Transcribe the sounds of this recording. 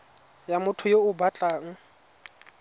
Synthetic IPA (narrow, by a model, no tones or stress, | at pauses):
jamʊtʰʊjoʊbat͡ɬʼaːŋ̩